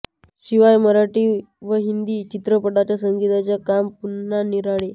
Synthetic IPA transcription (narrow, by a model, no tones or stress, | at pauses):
ɕiʋajməɾaʈiː | ʋəɦind̪iːt͡ɕit̪ɾəpəʈat͡ɕjasəŋɡit̪at͡ɕjakampunːaniɾaɭe